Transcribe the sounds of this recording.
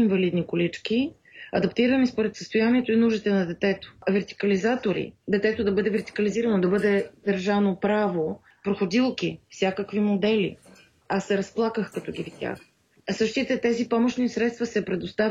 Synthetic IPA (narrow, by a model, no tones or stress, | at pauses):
invɐlid̪nikolit͡ʃki | ɐ̰d̪ɐpt̪iɾəmispoɾɛt̪səst̪ojaniɛt̪oinuʒit̪ɛnɐd̪ɛt̪ɛt̪o̥vɛɾt̪i̥kəlizat̪oɾḭd̪ɛt̪ɛt̪od̪ɐbɤd̪ɛvɛɾt̪i̥kəliziɾɐnod̪ɐbɤd̪ɛd̪ɐɾʒavnopɾavo | pɾoxod̪ilˠkifsʲjakəkvimod̪ɛlḭ | asːɛɾɐsplˠakəxkɐt̪ɔɡ̟ʲift̪ʲja̰x | sɤʃt̪it̪ɛt̪ɛzipɔmoʃnisɾɛt̪st̪vɐsɛpɾɛd̪ost̪a